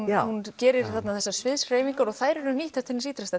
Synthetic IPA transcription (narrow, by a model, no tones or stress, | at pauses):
huncɛːɾɪɾ̥θat̪naðθɛsːasvɪðsr̥eːjviŋkaɾɔɣθaːjɾʏɾʏniːht̪aft̪hɛnːɪsiːt̪ɾast̪a